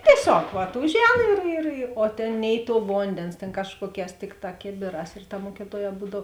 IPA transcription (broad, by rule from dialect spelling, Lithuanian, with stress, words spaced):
tʲiɛˈsʲoːk ʋɐt ˈʊʒʲˌɛːn ɪr ɪr ɪ oː ˈtʲeːn ˈnʲɛɪ ˌtuɔ ˈʋoːnʲdʲeːns tʲeːn ˈkɑːʃkuɔˌkʲɛːs ˈtʲɪkˌtɑː ˈkʲeːbʲeːˌrɑːs ɪr tɐ ˈmuɔkʲɪtuɔˌjɛː ˈbuːdɐw